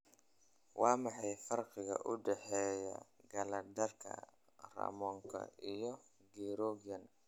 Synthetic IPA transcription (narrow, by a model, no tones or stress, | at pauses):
wʔɑːmɑħɑjfɐrqɪɣɐ̰ʔʊɖɛħɛːjɐ̰ɡɐlɐd̪ɐrkʰɐ̰ | rɐ̰mɔːŋkʰɐ̰ijɔ | ɡɛɾɔːɣjɐn